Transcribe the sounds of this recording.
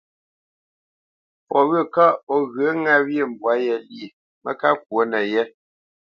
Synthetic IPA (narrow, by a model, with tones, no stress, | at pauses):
pɔ˨ɣə˦˨ka˦ɔ˦ɣə˨˦ŋa˦wje˦˨m˨bwa˨˦jɛ˨li˦˨ | mə˦ka˦kwo˨˦nɛ˨jɛ˦